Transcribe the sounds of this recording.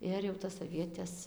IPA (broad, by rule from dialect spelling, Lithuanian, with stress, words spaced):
ˈɪr jɛʊ tɐs ɐˈʋʲiɛtʲɛs